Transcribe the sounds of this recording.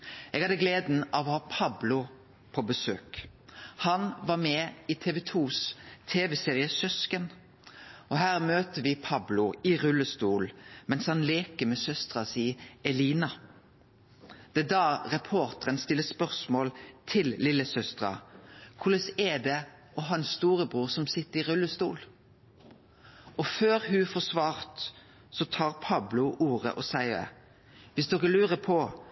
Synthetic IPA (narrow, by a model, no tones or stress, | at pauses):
ʔɛɡhɑd̪əɡleːd̪n̩ɑʋɔhɑːpʰɑblʊ | pʰobəsøːk | hɑnʋɑʁmɛɪt̪ʰɛːʋɛt̪ʰuːst̪ʰeːʋɛseːʁɪəsœskən | ɔɦæːʁmøːt̪əʋɪpʰɑblʊɪʁʉlːəst̪uːlmɛnshɑnleːkəmɛsœst̪ʁɑsiːɛliːnɑ | d̪̥ɛd̪ɑːɾɛpʰoːɾt̪əɾənst̪ɪlːəspœʁsmoːlt̪ʰɪllɪlːəsœst̪ɾɑ̰kʰʊləsɛd̪ɛ | ɔɦɑnsst̪uːɾəbʁuːʁsɔmsɪt̪ːəɾɪʁʉlːəst̪uːl | ɔføːɾɦʉfɔsʋɑːɾt̪ | sɔt̪ʰɑːʁpʰɑblʊʔuːʁə̰ʔɔsæɪə̰ | ʋɪsd̪ɔkːəlʉːɾəpʰɔ